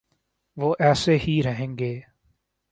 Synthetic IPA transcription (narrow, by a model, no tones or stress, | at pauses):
ʋoːʔɛːseːhiːɾəɦẽːŋɡeː